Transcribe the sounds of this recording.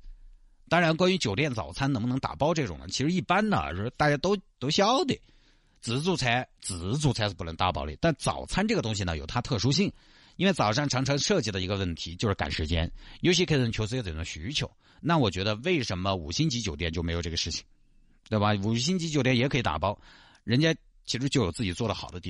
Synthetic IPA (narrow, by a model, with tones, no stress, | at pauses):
t̪ɑ˥ŋɻa˧˥nkwa˥ny˧˥t͡ɕjo˨˩ʊt̪jɛ˥˩nt͡sɑ̰˨˩ʊt͡sʰa˥n˧˥ŋmʊ˧ɤ˧˥ŋ˥t̪a̰˨˩pɑ˥ʊʈ͡ʂɤ˥˩ʈ͡ʂʊ̰˨˩ŋnə̰˦t͡ɕʰi˧˥ʂɻ̩˧˥i˥˩pa˥nnə̰˨ə̰˧˩ʂt̪a˥˧˩t͡ɕja˥t̪o˥ʊt̪o˥ʊɕɑ˥ʊd̪ḭ˨˩ | t͡sɹ̩˨˩t͡su˥˩t͡sʰa˧˥ɪt͡sɹ̩˨˩t͡su˥˩t͡sʰa˧˥ɪ˥˩pu˧˩nə˧˥ŋt̪a˥˧pɑ˥ʊlḭ˨˩˥t̪a˥˩nt͡sɑ̰˨˩ʊt͡sʰa˥nʈ͡ʂɤ˥˩ɡə˩t̪ʊ˥ŋɕ̬i˨nə˩jo˨˩ʊt̪ʰa˥t̪ʰɤ˥˩ʂu˥ɕ̬i˥˩ŋ | i˥nwe˥˩ɪt͡sɑ˨˩ʊʂɑ˥˩ŋʈ͡ʂʰɑ˧˥ŋʈ͡ʂʰɑ˧˥ŋʂɤ˥˧t͡ɕi˧˩d̪ə˩i˧˥ɡə˧wə˥˩nt̪ʰi˧˥t͡ɕjʊʂɻ̩˥˩ka̰˨˩nʂɻ̩˧˥t͡ɕjɛ̰˥njo˧˥ʊɕ̬i˧˥˩t͡ɕʰjo˧˥s̬ɹ̩˥˧˥t͡sə˨˩ʈ͡ʂʊ˥˩ɕy˧˥t͡ɕʰjo˧˥ʊ | na˥˩wɔ˨˩t͡ɕɥɛ˧˥d̪ə˧we˥˩ɪʂə˧˥nmə˧ṵ˨˩ɕi˥ŋt͡ɕi˧˥t͡ɕjo˨˩ʊt̪jɛ˥˩nt͡ɕo˥ʊme˧˥o˨˩ʊʈ͡ʂɤ˥˩ɡə˩ʂɻ̩˥˩t͡ɕʰi̥˩˦ŋ | t̪we˥˩ɪbɐ˩u˨˩ɕ̬i˥ŋt͡ɕi˧˥t͡ɕjt̪jɛ˥˩njɛ˧˥kʰi˧˥t̪a̰˨˩pɑ˥ʊ | ɻə˧˥nt͡ɕja˥ | t͡ɕʰi˧˥ʂɻ̩˧˥t͡ɕjo˥˩ʊjo˨˩t͡sɹ̩˥˩t͡ɕi˨˩t͡swɔ˥˩d̪ə˩xɑ˨˩ʊd̪ə˦t̪i˥˩